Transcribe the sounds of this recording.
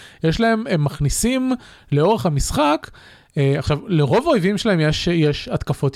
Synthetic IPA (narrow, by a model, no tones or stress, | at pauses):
jeʃlae̞memːaχnisim | leo̞ʁe̞χhamisχakː | aχʃavleʁo̞vaojvimʃelae̞mjeʃjeʃat̪kafo̞t̪